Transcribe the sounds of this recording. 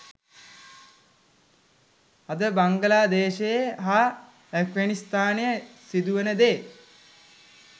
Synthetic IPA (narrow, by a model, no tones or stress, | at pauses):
ɐd̪əbaŋɡəlaːd̪eːʃejəɦa | ɛkɡanist̪aːnejəsid̪uʋənəd̪eː